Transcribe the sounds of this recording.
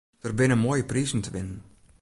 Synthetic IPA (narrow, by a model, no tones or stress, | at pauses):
d̥ərbɪnəmoːjəprizn̩təʋɪnən